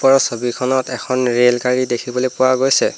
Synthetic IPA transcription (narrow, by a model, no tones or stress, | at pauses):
pɔɹɔsobikʰɔnɔtɛkʰɔnɹelkaɹidekʰibɔlojpʊwaɡojsɛ